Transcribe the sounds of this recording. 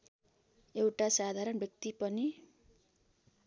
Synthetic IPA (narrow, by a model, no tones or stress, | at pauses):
ewʈasad̪ʱaɾʌnbʱjʌk̚t̪ipʌni